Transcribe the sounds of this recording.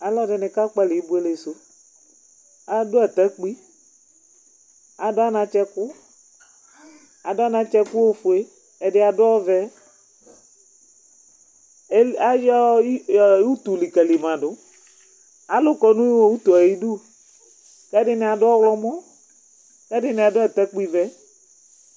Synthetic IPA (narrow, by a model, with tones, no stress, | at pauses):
a˨lɔ˦dɪ˨nɪ˨ka˦k͡pa˦lɪ˨i˦bu˦e˦le˨sʊ˦ | a˨dʊ˦a˨t̪a˦k͡pi˦ | a˨dʊ˦a˦nã˨t͡ʃɛ˦kʊ˦ | a˨dʊ˦a˦nã˨˦t͡ʃɛ˦kʊ˦wo˦fʊ˨e˦ | ɛ˨dɪ˦a˨dʊ˦ɔ˦vɛ˦ | a˦d͡ʒɔ˦˨˦ | u˦t̪u˨li˨ka˨li˨mã˨dʊ˨˦ | a˨lʊ˦kɔ˨nũ˦i˦wo˦wu˦t̪u˨a˨ji˦du˦ | kɛ˦dɪ˦nɪ̃˨˦a˨dʊ˦ɔ˦wlɔ˦mɔ˦ | kɛ˦dɪ˦nɪ˨a˨dʊ˦ɛ˨t̪ɛ˦k͡pi˦vɛ˦